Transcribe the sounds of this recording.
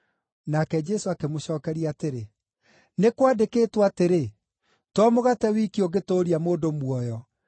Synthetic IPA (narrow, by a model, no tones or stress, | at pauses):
nakɛd͡ʒɛsoakemoɕɔːkɛɾiateɾe | nekwadekeːtwateɾe | twɔmoɣatɛwikioɣetoɾiamoːdomwɔjɔ